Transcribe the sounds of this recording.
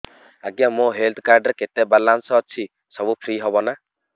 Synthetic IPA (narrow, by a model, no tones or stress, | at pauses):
aɡjamõɦelt̪ʰkaɾɖɔɾket̪ebalansɔːt͡ʃʰi | sɔbupʰɾiɦɔbɔna